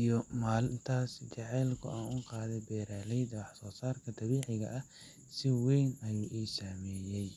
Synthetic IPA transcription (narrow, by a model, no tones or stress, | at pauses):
ijɔmaːlɪnt̪ʰaːst͡ʃɑʕɛjlkʰʊ̰ʔaːnʊqɑːðɛjbɛːɾaːlɛjd̪ɐwɑħsɔːsaːrkʰɐd̪ɐβiːʕɪɣɐ̰ʔɐ | sɪwɛjnɐjuːʔiːsaːmɛːjɛj